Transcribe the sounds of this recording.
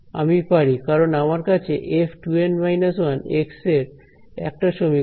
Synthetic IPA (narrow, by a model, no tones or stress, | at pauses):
a̰mipaɽikaɾonamaɾkat͡ɕʰeʔepʈuenmajnaswanekseɾ | ɛ̰k̚ʈaʃomi